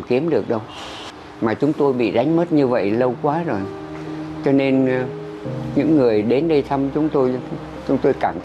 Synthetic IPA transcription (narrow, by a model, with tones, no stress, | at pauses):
mki˨˦əmɗɨ˨˩ək̚ɗə˧w | maː˨˩t͡ɕʊ˨˦ŋ͡mt̪o˧jɓḭ˧˨ɗa˨˦jŋ̟mə˦˥t̚ɲɨ˧və̰˧˨jlə˧wkwaː˨˦zo˨˩jt͡ɕɔ˧ne˧n | ɲɨ̰˧˥ŋːɨ˨˩əjɗe˨˦nɗə˧jt̪ʰa˧mt͡ɕʊ˨˦ŋ͡mt̪o˧j | t͡ɕʊ˨˦ŋ͡mt̪o˧jkaː˧˩mt̪ʰ